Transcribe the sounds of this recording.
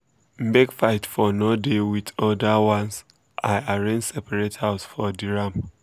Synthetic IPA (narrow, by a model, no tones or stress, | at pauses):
m̩bekfaɪtfɔnodewiðɔdawãns | ʔaɪaɹẽnd͡ʒsɛpʰaɹethaʊsfɔdiɹam